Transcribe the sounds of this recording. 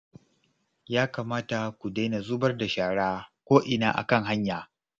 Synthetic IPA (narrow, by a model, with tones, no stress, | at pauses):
jaː˦kaː˨maː˦ta˨kʷu˨da˦na˨zuː˦bɐ˦rda˨ʃaː˨ɽaː˦kʷoː˦ʔɪ˨naː˦ʔa̰˨kɐ˦˨ŋɦa˦ɲjaː˨